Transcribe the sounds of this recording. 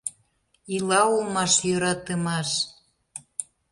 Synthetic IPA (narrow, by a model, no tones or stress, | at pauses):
ilɑulmɑʃjøɾɑt̪əmɑʃ